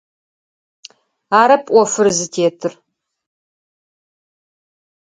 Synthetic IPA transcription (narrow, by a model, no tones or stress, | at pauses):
aːɾɐpʼʔʷɔfɨrzɨtʰeːtʰɨr